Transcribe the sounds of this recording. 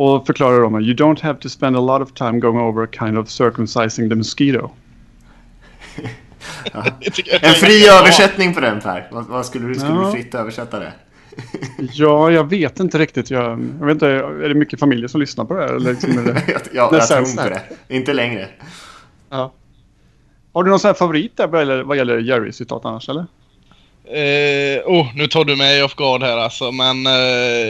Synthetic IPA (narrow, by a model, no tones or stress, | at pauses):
ɔfœɾkʰlɑːɾaɖɔməjɨd̪õʊ̃nt̪hæv̥t̪ʰʊspɛ̃nd̪əlɔɾɔv̥t̪ʰãɪ̃mɡoʊɪ̃ŋoʊvəɾkʰãɪnd̪ɔv̥sœɹkəmsaɪsɪŋðəmʉskiːd̪o̰ | ɛnfɾiːøːvəɛt̪nɪŋpʰɔd̪ɛnfæ̰ɾvavaskɵlːəd̪fɾɪt̪ːøːvəʂɛt̪ːad̪ɛ̰ | jɑːjɑɡveːt̪ɪnt̪əɾɪk̚t̪ɪt̪jɑjɑɡeːt̪æɖɛmʏkːəfamɪljəʂɔmlʏsnaɾpʰɔd̪ɛæːɾɛ̰lːəɭɪksɔmɛdɛjnɛɛuɔd̪ɛ̰ɪnt̪əlɛŋɾə | ɑː | haɖɵnɔnsɔnæɾfavʊɾiːt̪̚d̪æɾvajɛlːəvajɛlːəɾjæɾɪ̰sɪt̪ʰɑ̰ːt̪anːaʂɛlːəɾ | ɛuːnʉ̟ːt̪ʰɑːɖɵmɛjɔfɡɑːd̪hæːɾalsɔmɛn